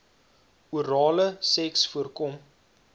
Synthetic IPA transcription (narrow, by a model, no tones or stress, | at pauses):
uəɾɑːləsɛksfuərkɔm